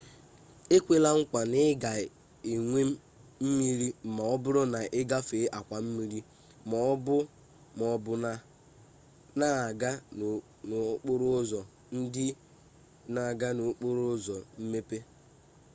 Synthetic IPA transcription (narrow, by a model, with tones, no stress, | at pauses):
e˦kʷe˦la˦ŋ̩˦kʷa˨nɪ˦ɡa˨ | i˨ŋʷe˦m˦ | m̩˦mi˦ɾi˦m̩˨ma˨ɔ˦bʊ˦ɾɔ˦na˨ʔɪ˦ɡa˦fe˨˦ʔa˨kʷa˨m̩˦mi˦ɾi˦ | mɔ˨ɔ˦bʊ˦ | mɔ˨bʊ˨na˨ | na˦a˨ɡa˦˨ | n˨˦k͡pʊ˦ɾʊ˦zɔ˨ | n̩˦dɪ˦ | na˨ɡa˦no˨˦k͡po˦ɾʊ˦ʊ˦zɔ˨m̩˦me˦pe˦